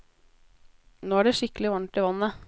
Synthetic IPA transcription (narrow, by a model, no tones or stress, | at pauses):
noːæɖɛʂɪkəlɪʋɑɳʈɪʋɑnːə